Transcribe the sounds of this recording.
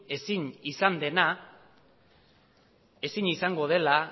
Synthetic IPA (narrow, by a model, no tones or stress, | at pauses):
esiɲisand̪e̞na | e̞siɲisaŋɡo̞ð̞e̞la